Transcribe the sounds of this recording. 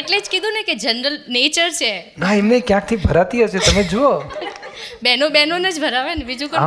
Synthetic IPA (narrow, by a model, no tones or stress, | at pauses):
eʈled͡ʒkid̪ʱũneked͡ʒənɾəlnet͡ʃəɾt͡ʃʰenaɛmnekjãk̚t̪ʰibʱəɾat̪iɦəʃʰet̪əmed͡ʒuo | bɛnobɛnonəd͡ʒbʱəɾaʋenebid͡ʒũko